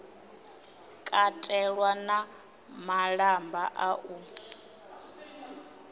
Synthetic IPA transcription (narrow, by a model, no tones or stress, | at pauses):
kʼatʼɛɺwana | maɺambaʔaʔu